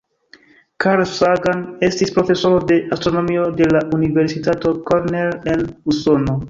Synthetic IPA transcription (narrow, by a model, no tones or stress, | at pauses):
kaɾsaɡanestispɾo̞fe̞so̞ɾode̞ʔastɾonomiode̞laʔuniveɾsitato̞koɾnelenuso̞no